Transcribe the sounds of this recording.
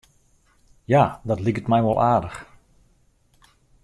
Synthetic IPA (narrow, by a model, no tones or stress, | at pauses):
jaːdɑtlikətmɛjʋɔlˠʔaːdəx